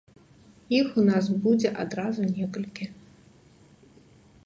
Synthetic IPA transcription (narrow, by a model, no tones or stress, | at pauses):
ixunas̬bud͡zʲɛʔad̪ɾazunʲɛkɐlʲkʲi